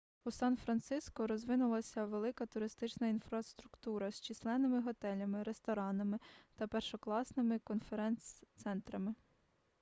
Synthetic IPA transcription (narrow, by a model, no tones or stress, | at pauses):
usɑnfɾɐnt̪sɪskɔɾɔzʋɪnʊlˠɐsʲɐʋelˠɪkɐt̪ʊɾɪst̪ɪt͡ʃnɐinfɾɐst̪ɾʊkt̪uɾɐsʲt͡ʃislˠɛnɪmɪɦɔt̪ɛlʲɐmɪɾest̪ɔɾɑnɐmɪt̪ɐpɛrʃɔklˠɑsnɪmɪkɔnfeɾɛnt̪sɛnt̪ɾɐmɪ